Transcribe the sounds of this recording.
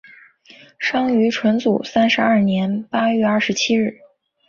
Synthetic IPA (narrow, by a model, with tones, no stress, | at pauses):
ʂɑ˥ŋy˧˥ʈ͡ʂʰwə˧˥nt͡sṵ˨˩sa˥nʂɻ̩˧˥ɐ˥˩njɛ˧˥npa˥ɥɛ˥˧ɐ˞˥˩ʂɻ̩˧˥t͡ɕʰi˥ɻɻ̩˥˩